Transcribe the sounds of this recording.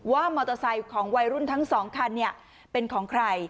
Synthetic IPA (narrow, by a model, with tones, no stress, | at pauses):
waː˥˩mɔː˧t̪ɔ˧sa˧jkʰɔː˩˦ŋwa˧jɾu˥˩nt̪ʰa˦˥ŋsɔː˩˦ŋkʰa˧nːi˥˩ɐ | pe˧nkʰɔː˩˦ŋkʰɾa˧j